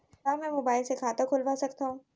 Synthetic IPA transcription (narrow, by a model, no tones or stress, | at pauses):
aːmɛ̃ːmoːbaːɪlsekʰaːt̪akʰoːlʋasɐkt̪aɦũː